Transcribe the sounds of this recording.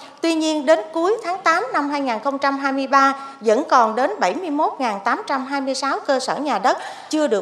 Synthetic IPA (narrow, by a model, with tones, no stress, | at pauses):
t̪wi˧ɲi˧ənɗe˨˦nku˨˦əjt̪ʰaː˨˦ŋt̪aː˨˦mna˧mɦaː˧jŋaː˨˩nxə˧wŋ͡mt͡ɕa˧mɦaː˧jmɨ˧əjɓaː˧zə̰˧˥nkɔ˨˩nɗe˨˦nɓə˧˩jmɨ˧əjmo˦˥t̚ŋaː˨˩nt̪aː˨˦mt͡ɕa˧mɦaː˧jmɨ˧jsaː˨˦wkəː˧səː˧˩ɲaː˨˩ɗə˦˥t̚t͡ɕɨ˧əɗɨ˨˩ə